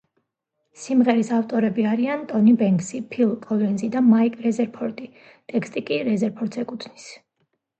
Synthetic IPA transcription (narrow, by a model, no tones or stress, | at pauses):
simʁɛɾisaft̪ʼɔɾɛbiaɾiant̪ʼɔnibɛŋɡsipʰilˠkʼɔlɛnzid̪amaikʼɾɛzɛɾpʰɔɾt̪ʼi | t̪ʼɛkst̪ʼikʼiɾɛzɛɾpʰɔɾd̪zɛkʼut̪ʰnis